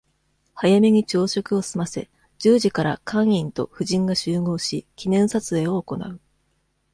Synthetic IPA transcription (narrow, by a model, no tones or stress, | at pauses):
hajamʲeɲ̟it͡ɕo̞ːɕo̞kɯ̟o̞sɨmase̞̰ | d͡ʑ̥ɨːʑikaɾa̰kãɰ̃ĩnt̪o̞̰ɸɯ̟ʑĩŋɡaɕɨːŋo̞ːɕikʲinẽ̞ɰ̃sat͡sɨe̞ːo̞ːko̞na̰ɯ̟